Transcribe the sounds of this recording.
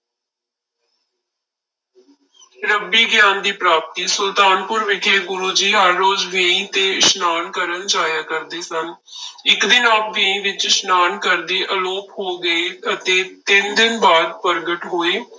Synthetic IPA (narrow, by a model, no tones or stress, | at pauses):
ɾəbːiːɡjãːnd̪iːpɾaːp̚t̪iːsʊlt̪aːnpʊɾʋɪkʰeːɡʊɾuːd͡ʒiːɦəɾːoːd͡ʒʋẽːĩːt̪eːɪʃnaːnkəɾənd͡ʒaːjaːkəɾd̪eːsənɪkd̪ɪnaːp̚ʋẽĩːʋɪt͡ʃɪʃnaːnkəɾd̪eːʔəloːphoːɡəeːət̪eːt̪ɪnd̪ɪnbaːd̪̚pəɾɡəʈɦoːeː